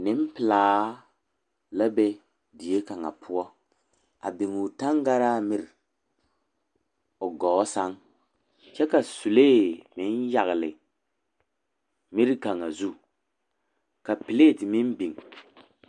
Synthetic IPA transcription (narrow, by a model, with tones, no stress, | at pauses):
nɪ˦m˦pɪ˨laː˨˦ | la˦bɛ˦ | di˨e˦ka˨ŋa̰˨pʰʊ˦ɔ˦ | a̰˨bɪ˨ŋu˨ta˦ŋɡa˦ɾaː˦mɪ˦ɾ | o˨ɡɔː˨˦sa˦ŋ | t͡ʃɛ˦ka˨su˨leː˦˨mɪ˨˦nja˨ɣɪ˨lɪ˨ | mi˦ɾka˨ŋa˨zu˦ | ka˨pi˨le˦˨ti˨mɪ˦n˦bi˨ŋ